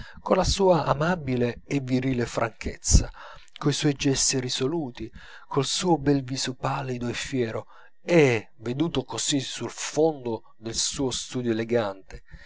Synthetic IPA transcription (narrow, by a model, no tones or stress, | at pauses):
konlasuːaʔamabileːvːiɾiːlefɾaŋkʰḛt̪sːakoiswɔjd͡ʒɛst̪iɾisoluːt̪i | kʰolsuːʊbɛlviːzopalːid̪oefːjɛːɾo | ɛ | ved̪uːt̪okoz̥isulfond̪ʊ | d̪elsuːost̪uːd̪joeleɡant̪e